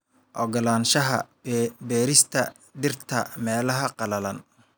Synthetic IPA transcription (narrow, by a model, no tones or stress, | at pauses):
ʔɔɡɐlaːnʃɐɦɐ̰ | bɛːɾɪst̪ʰɐ̰ | ɖɪrt̪ʰɐ̰mɛːlɐɦɐqɑlɐlɐn